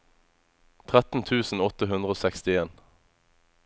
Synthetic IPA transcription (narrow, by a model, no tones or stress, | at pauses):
t̪ʰʁæt̪n̩t̪ʰʉːsn̩ɔt̪əɦʉnd̪ʁəoːsɛkst̪ɪeːn